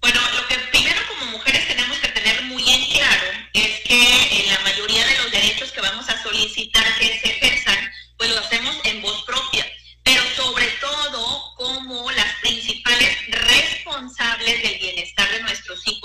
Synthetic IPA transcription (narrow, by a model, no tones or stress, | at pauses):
bwe̞no̞lo̞ke̞pɾime̞ɾo̞ko̞mo̞muxe̞ɾe̞st̪e̞ne̞mo̞ske̞t̪e̞ne̞ɾmuje̞ŋklaɾoe̞skelamaʝo̞ɾiaðe̞lo̞zðe̞ɾe̞t͡ʃo̞ske̞βamo̞saso̞lisit̪aɾke̞sexeɾsanpwe̞zloase̞mo̞se̞mbo̞spɾo̞pja | pe̞ɾo̞so̞βɾe̞t̪o̞ðo̞komo̞laspɾinsipale̞sre̞spo̞nsaβle̞zðe̞lβje̞ne̞st̪aɾðe̞nwe̞st̪ɾo̞sixo